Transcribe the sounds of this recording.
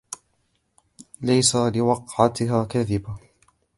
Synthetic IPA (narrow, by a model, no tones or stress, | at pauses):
lajsalɪwɑqʕat̪ɪɦaːkaðɪba